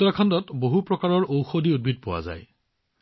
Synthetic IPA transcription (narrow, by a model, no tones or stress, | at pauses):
ɔakʰɔndɔtboɦupɹɔkaɹɔɹʔowxodiud̚bʱid̚pʊwa̰za̰j